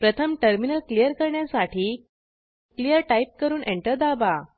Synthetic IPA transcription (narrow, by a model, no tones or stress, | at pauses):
pɾət̪ʰəmʈəɾminəlklijəɾkəɾɳjasaʈʰiː | klijəɾʈaip̚kəɾuːnʔeɳʈəɾd̪aba